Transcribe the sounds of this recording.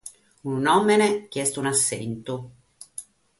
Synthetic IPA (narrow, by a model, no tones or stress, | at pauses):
unnɔmːenek̟jɛst̪ounasːɛ̰nt̪o